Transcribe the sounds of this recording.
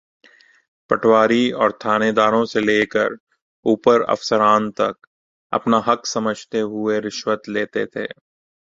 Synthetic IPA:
pɐʈʰwaːɾiɔːɾt̪ʰaːned̪aːɾõseleːkə̰ɾ | uːpəɾɐ̰fsəɾaːnt̪ɐ̰k̚ | ɐ̰pnaɦɐksɐməd͡ʒʱt̪eɦʊeɾɪʃwət̪leːt̪et̪ʰḛː

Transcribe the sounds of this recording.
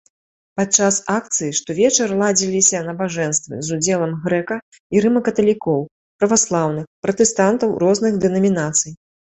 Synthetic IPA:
pat̪̚t͡ʂasak̚t̪sɨjiʂt̪ɔvʲɛt͡ʂɐrlˠad͡zʲilʲisʲɐnɐbaʐɛnst̪vɨ̰zud͡zʲɛlˠɐmɣɾɛkɐ | iɾɨmɐkɐt̪ɐlʲikɔw | pɾɐvaslˠawnɨxpɾɐt̪ɛst̪ant̪ɐwɾɔznɨɣd̪ɛnɐmʲinat̪sɨj

